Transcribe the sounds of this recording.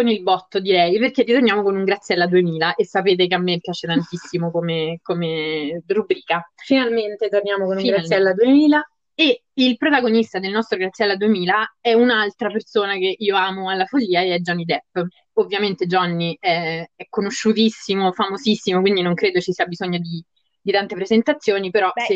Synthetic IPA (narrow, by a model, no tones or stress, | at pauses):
konilbɔt̪ːod̪iɾɛjperkerːit̪ornjaːmokonuŋɡɾat̪sːjɛlːad̪uemiːlaʔesːapeːt̪̬ekeamːepjaːt͡ʃet̪ant̪isːimokomekomerubɾiːkafinalment̪et̪ornjaːmokonufŋiɡɾalɛlːad̪uemiːla | e | ilpɾot̪aɡonist̪ad̪elnɔst̪ɾoɡɾat̪sːjɛlːad̪uemiːlaɛunalt̪ɾapersoːnakeʔiːoaːmoalːafoʎːiːaeɛd͡ʒɔnːid̪ɛpː | ovːjament̪ed͡ʒɔnːiɛɛkːonoʃːut̪isːimofamozisːimokwind̪inoŋkɾeːd̪ot͡ʃisiabizoɲːod̪i | d̪it̪ant̪epɾezent̪at̪sːjoːnipeɾɔse